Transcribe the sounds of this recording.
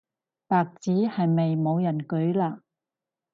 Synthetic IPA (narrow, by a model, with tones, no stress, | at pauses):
paː˨k̚t͡siː˨˥hɐ˨jme˨jmo˨˧wjɐ˨˩nkɵ˨˥ɥlaː˧